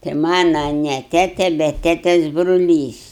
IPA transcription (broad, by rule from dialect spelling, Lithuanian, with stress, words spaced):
tɐɪ ˈmɑːnɐ nʲɛ ˈtʲæːtʲɛ bʲɛt ˈtʲæːtʲɛs brʊˈlʲiːs